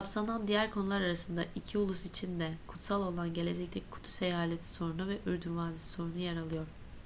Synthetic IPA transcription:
apsanand̪ijæɾkʰo̞nulˠaɾaɾasɯnd̪aʔicʰiulˠusit͡ʃʰind̪ɛkʰu̥t̪salˠo̞lˠanɟe̞lʲe̞d͡ʒɛct̪ʲɛkʰu̥t̪ʰu̥se̞jaːlʲet̪ʰi̥so̞ɾunuvɛʔyɾd̪ynvaːnisi̥so̞ɾunujaɾalˠɯjo̞ɾ̥

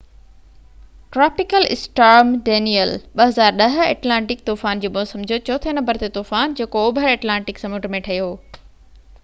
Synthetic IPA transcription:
ʈɾaːpɪkəlɪ̰sʈaːɾmɖeːnijəlɓɐɦɐzaːɾɗɐɦ̆eːʈlãːɳʈɪk̚t̪uːfaːnd͡ʑoːbõsɐ̃md͡ʑʱijot͡ɕɔoːt̪ʰenɐmbəɾt̪et̪uːfaːnd͡ʑeːkoːbʱəɾeːʈlãːɳʈɪksɐmuʈmẽʈʰɐjoː

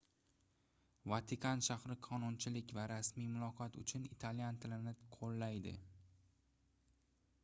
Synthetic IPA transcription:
vat̪ʰɪkʰanʃahɾɪqʰɒnʊnt͡ʃʰɪlɪkʲvaɾasmijmʊlˠɒqʰɒt̪ʊ̰t͡ʃʰʊnit̪ʰaljant̪ʰɪlɪnɪqʰolːajd̪ɪ̰

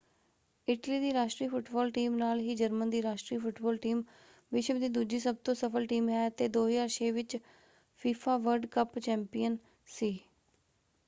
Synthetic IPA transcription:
ɪʈliːd̪iːɾaːʃʈɾiːpʰʊʈbɔːlʈiːmnaːlɦiːd͡ʒəɾmənd̪iːɾaːʃʈɾiːpʰʊʈbɔːlʈiːm | ʋɪʃd̪iːd̪uːd͡ʒiːsəb̚t̪õːsəpʰəlʈiːmaːt̪eːd̪oːɦiːəʃeːʋɪt͡ʃ | pʰiːpʰaːʋəɾɖkəpt͡ʃɛːmpijən | siː

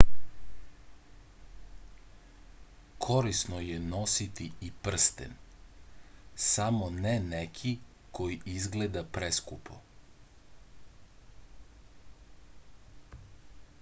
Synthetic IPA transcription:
kʰoɾisnoje̞nosit̪iipr̩st̪ḛn | samonenekʰi | kʰo̞jiizɡle̞d̪apɾeskupʰo̰

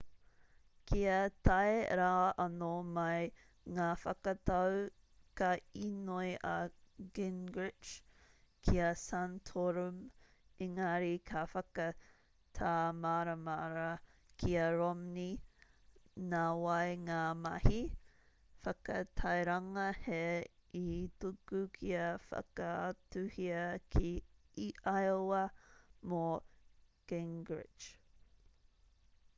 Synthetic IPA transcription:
kiɐtɐeɾaːʔɐnomɐj | ŋaːfɐkɐtɐw | kɐinojʔɐɡɪnɡɹɪt͡ʃ | kʰiɐsantʰoɾum | iŋaɾikʰafɐkɐ | tʰaːmaɾɐmaɾɐkʰiɐɹomni | naːwɐjŋaːmɐ̰hi | fɐkɐtʰɐjɾɐŋɐheitukukʰiɐfɐ̰kətuhiɐkʰiː | ʔɐjoɐmo | kɛŋɡɹɪ̰d͡ʒ

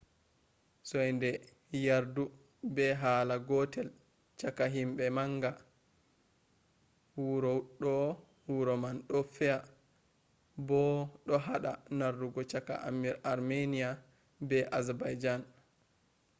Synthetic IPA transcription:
sɔjndɛ | jaɾdu | bɛɦaːlaɡɔtɛl | t͡ʃakaɦimbɛmaŋɡa | wuɾɔɗɔ | wuɾɔmanɗɔfɛa | bɔɗɔɦaɗa̰narːuɡɔt͡ʃaka̰ʔa̰miɾaɾmenija | bɛʔazabajd͡ʒan

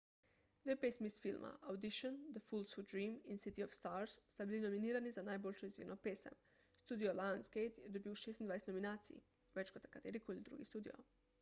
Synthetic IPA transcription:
d̪ʋepesmisfilmʔa̰awd̪iʃond̪əfulˠsudɾiːminsit̪iofst̪aɾsːt̪abilinominiːɾanizanaːjbolʲʃoizvʲjḭːnopeːsa̰m | st̪uːd̪ioland̪skejt̪jɛd̪obiuʃest̪ind̪ajeset̪nominaːt̪sḭjḭ | ʋet͡ʃkot̪akat̪eɾikoilid̪ɾṵɡḭst̪uːd̪ḭo̰

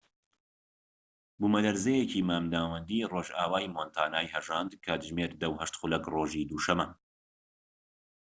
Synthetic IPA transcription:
bumɐd̪ɐɾzejeciːmaːmd̪aːwɐnd̪iːroːʒaːwaːjmoːnt̪ʰaːnaːjhɐʒaːnd̪kʰaːt̪ʒmeːɾd̪ɐwhɐʃt̪χulɐkroːʒiːd̪uːʃɐmɐ

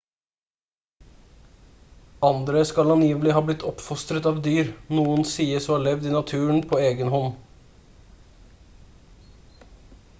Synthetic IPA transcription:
ɑnd̪ɾəskɑlɑnjiːʋəlɪhɑːblɪt̪ʰːɔpfɔst̪ɾət̪ɑːʋd̪yːɾnuːənsiːəsɔmɑːɭɛʋd̪iːnɑt̪ʰʉːəɳpʰoːeːɡənhɔn

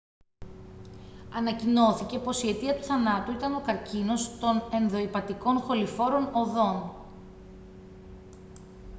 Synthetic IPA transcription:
ɐnɐcino̞θice̞po̞sie̞t̪iɐt̪u̥θɐnɐt̪uit̪ɐno̞kɐɾcino̞st̪o̞ne̞nðo̞ipɐt̪iko̞nxo̞lifo̞ɾo̞no̞ðo̞n

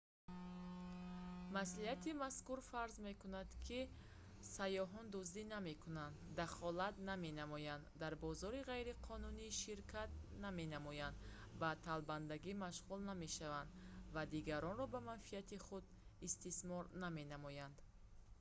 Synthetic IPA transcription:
masliat̪ʰimaskuɾfaɾzme̞kunad̪kʰi | sajɔɦɔnd̪uzd̪iname̞kʰunand̪ːaχɔlat̪name̞namɔjand̪d̪ːaɾbɔzɔɾiʁajɾiqʰɔnuniːʃiɾkʰat̪̚name̞namɔjand̪ | bat̪ʰalband̪aɡimaʃʁulname̞ʃavand̪vad̪iɡaɾɔnɾɔbamanfiat̪iχud̪ | ist̪ismɔɾname̞namɔjand̪̥

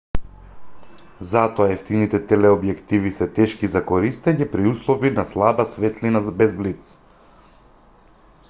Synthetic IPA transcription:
zat̪ɔaɛft̪init̪ɛt̪ɛlɛobjɛkt̪ivisɛt̪ɛʃkizakoɾist̪ɛɲɛpɾiuslˠɔvinaslˠabasvɛt̪linazbɛzblit̪s

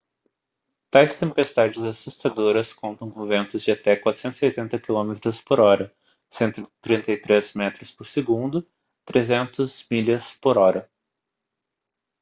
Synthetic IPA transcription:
t̪ajst̪ẽmpest̪ad͡ʒɪzasust̪ad̪oɾɐskõnt̪ɐ̃w̃kõvẽnt̪ʊzd͡ʒɪat̪ɛkwat̪ɾʊ̥sẽnt̪ʊ̥ziojt̪ẽnt̪ɐkilõmet̪ɾʊspoɾɔɾɐ | sẽnt̪ʊɪt̪ɾĩnt̪ɐjt̪ɾezmɛt̪ɾʊspoɾseɡũnd̪ʊ | t̪ɾezẽnt̪ʊzmiʎɐspoɾɔɾɐ

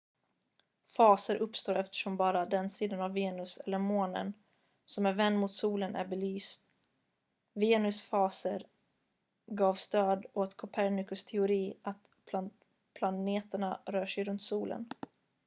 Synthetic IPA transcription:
fɑːsəɾʔɵpst̪oːɾɛft̪ə̥ʂɔmbɑːɾad̪ɛnsiːd̪anavːeːnɵsɛlːəɾmoːnə̰n | sɔmæɾvɛnd̪mʊt̪suːlənʔæ̰ɾbɛlyːst̪ | veːnɵsfɑːsəɾ | ɡɑːvst̪øːd̪ɔt̪kʰʊpʰæɾɳɪkɵst̪ʰɛʊɾiːat̪ | pʰlaneːt̪əɳaɾœːʂɛjɾɵnt̪suːlə̰n

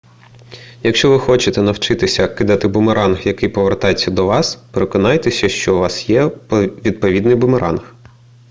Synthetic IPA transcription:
jɐkʃt͡ʃɔʋɪxɔt͡ʃɪt̪ɛnɐwt͡ʃɪt̪ɪsʲɐkɪd̪ɐt̪ɪbʊmeɾʔɑnxjɐkɪjpɔʋert̪ɑjet͡sʲːɐd̪ɔʋɑspeɾekɔnɑjt̪ɛsʲɐʃt͡ʃɔʊʋɑsjɛpʋʲid̪̚pɔʋʲid̪nɪjbʊmeɾʔɑ̰nx

